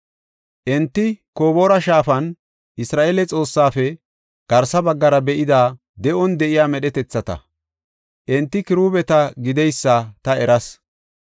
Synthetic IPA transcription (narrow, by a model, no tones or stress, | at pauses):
ʔɛnt̪ːɪko̞ːbo̞ːɾɐʃaːfɐn | ʔɪsɾaːʔeːlɛt͡sʼo̞ːsːaːfɛ | ɡ̥ɐɾsɐbɐɡːɐɾɐbɛʔɪd̪aː | d̪ɛʔɔnd̪ɛʔɪjaːmɛɗɛt̪ɛt͡sːɐt̪ɐ̰ | ʔɛnt̪ːɪkɪɾuːbɛt̪ɐɡɪd̪ɛjsːɐt̪ɐɛɾɐs